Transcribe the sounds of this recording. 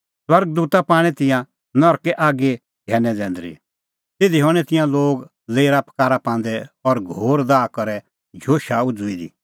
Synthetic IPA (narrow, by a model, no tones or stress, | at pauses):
swɐɾɡd̪uːt̪apaːɽ̃ɛt̪ɪ̃jã | nɔɾkɛʔaːɡe | ɡʱɛːnɛ̃d͡zɛ̃ːnd̪ɾḭ | t̪eːd̪iɦɔɽ̃ɛt̪ɪ̃jãloːɡ | leːiɾapkaːɾapãːnd̪ɛɔɾɡʱoːɾd̪aːkɔɾɛ | d͡ʒʱoːʃaʊd͡zʊid̪ḭ